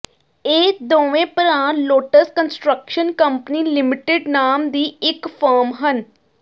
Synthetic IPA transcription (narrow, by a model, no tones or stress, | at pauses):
eːd̪oːʋẽːpəɾãːloːʈəskənsʈɾəkʃənkəmpniːlɪmɪʈɪɖnaːmd̪iːɪkpʰəːɾmɦən